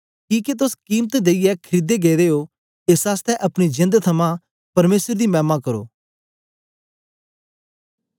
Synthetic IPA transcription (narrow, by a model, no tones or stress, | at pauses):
kiːket̪ʊskiːmt̪d̪eːɪjɛkʰɾid̪eɡeːɾeːo | eːsaːst̪ʰɛʔɐpɽ̃id͡ʒɪ̃nd̪t̪ʰɐmã | pɐɾmeːsəɾd̪imɛ̃ːmakɐɾo̰ː